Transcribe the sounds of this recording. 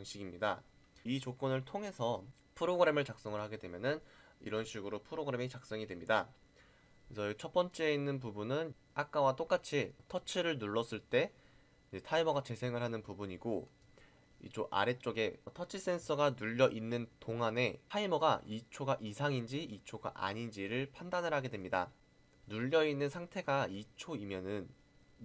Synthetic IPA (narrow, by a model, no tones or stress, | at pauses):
ŋɕʰiɡimɲida̰ | it͡ɕok͈ʌnɯɭtʰoŋɦe̞sʰʌ | pʰɯɾoɡɯɾe̞mɯɭt͡ɕak̚s͈ʌŋɯɭɦhaɡe̞dwe̞mjʌnɯn | ḭɾʌnɕʰiɡɯɾopʰɯɾoɡɯɾe̞met͡ɕak̚s͈ʌŋidwe̞mɲida | sʰʌit͡ɕʰʌp͈ʌnt͡ɕ͈eeinːɯnp̬ubunɯn | ak͈awat͈ok͈at͡ɕʰitʰʌt͡ɕʰiɾɯɭnuɭːʌs͈ɯɭt͈e̞ | id͡ʑetʰaimʌɡat͡ɕe̞sʰe̞ŋɯɭɦanɯnpubuɲiɡo | ḭt͡ɕʰoʔa̰ɾe̞t͡ɕ͈oɡe̞tʰʌt͡ɕʰis͈e̞ns͈ʰʌɡanuʎːʌʔinːɯntoŋɦane̞tʰaimʌɡait͡ɕʰoɡaʔisʰaŋind͡ʑiit͡ɕʰoɡa̰ʔa̰ɲind͡ʑiɾɯɭpʰandanɯɭɦaɡe̞dwe̞mɲida̰ | nuʎːʌinːɯnsʰaŋtʰe̞ɡait͡ɕʰoimjʌnɯn